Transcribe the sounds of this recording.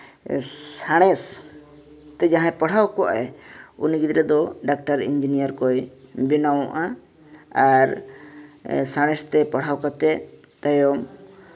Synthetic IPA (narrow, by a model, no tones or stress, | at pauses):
saɽ̃ɛs | t̪ɛd͡ʒaɦãpaɽ̤awkɔʔa̰ɛṵniɡid̪ɾɛd̪ɔɖak̚ʈaɾḭɲd͡ʒinijaɾkɔjbinawɔʔa | aɾ | saɽ̃ɛst̪ɛpaɽ̤awkat̪ɛ | t̪ajɔm